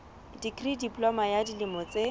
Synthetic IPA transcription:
dikridipʼlɔmajadilimɔt͡se

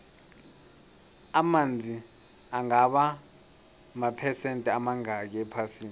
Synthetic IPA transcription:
amand͡zʱi | aŋaɓa | mapʰɛsɛntʼɛamaŋak̬ɛɛpʰasiːni

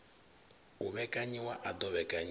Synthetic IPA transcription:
uβɛkʼaɲiwaʔad̪ɔβɛkʼaɲ

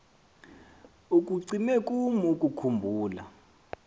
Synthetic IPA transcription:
uk̬ʼuǀinɛkʼumukʼukʰumbʱuːla̰

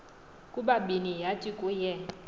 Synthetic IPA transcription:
kʼuɓaɓinijatʼikʼujɛ

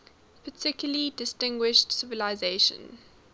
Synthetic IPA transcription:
pʰətʰɪkjʊlidɪstɪ̃ŋɡwɪʃtsɪvəlaɪzeɪʃə̰̃n

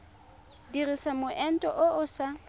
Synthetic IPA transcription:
dirisamʊʔɛn̩tʼɔʔʊʔʊsa

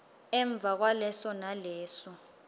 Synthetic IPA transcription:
ɛɱb̪vʱak̬walɛsɔnalɛːsɔ

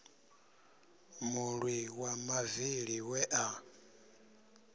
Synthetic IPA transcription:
muɺwiwamaviɺiwɛʔa

